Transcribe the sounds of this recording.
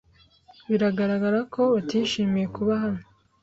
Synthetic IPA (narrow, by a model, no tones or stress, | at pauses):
βiɾaɡaɾaɡaɾakʰo̞βatiʃiːmije̞kuβaɦano